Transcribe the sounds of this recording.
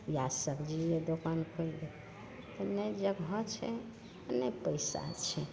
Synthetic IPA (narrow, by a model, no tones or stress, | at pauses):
jasəbd͡ʒied̪okankʰoile | t̪ɔnəjd͡ʒəɡɦɔt͡ʃʰɛ | nəjpəjsa̰t͡ʃʰɛ